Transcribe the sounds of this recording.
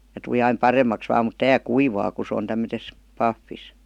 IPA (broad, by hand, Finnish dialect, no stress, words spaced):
jɑ tul̆i ɑim pɑremːɑks ʋɑːm mut tæː kuiʋɑː ku sĕ on tæmːøtes pɑfːis